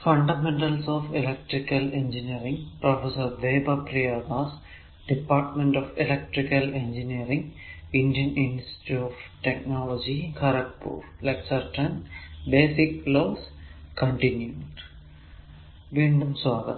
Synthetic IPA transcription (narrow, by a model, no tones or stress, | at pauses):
fɐ̃ɳɖamẽɳʈɐlsɔːʋilek̚ʈɾikɐlẽnd͡ʒiniəɾĩŋɡpɾɔfesəɾd̪eːbapɾijaːd̪aːs | ɖ̥ipaːɾʈmẽɳʈɔfilek̚ʈɾikɐlẽnd͡ʒiniəɾĩŋɡĩɳɖijə̃nĩnsʈi̥ʈuɔʋʈeknɔːlɔd͡ʒikʰɐɾɐk̚pṵːɾlaɪksɐɾʈə̃nbeːsikloːskə̃ɳʈĩnjuu | ʋĩnd̪umsʋaːɡə̰t̪